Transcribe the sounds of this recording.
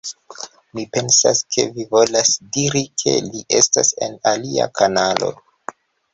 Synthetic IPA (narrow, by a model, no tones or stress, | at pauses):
mipe̞nsa̰skʰe̞vivo̞lasdiɾikʰe̞̰liʔe̞stase̞nalia̰kʰanalo̞̰